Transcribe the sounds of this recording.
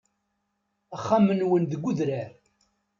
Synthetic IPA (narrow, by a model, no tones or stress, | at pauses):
æχːamənwənðəɡʷːʊðɾæɾ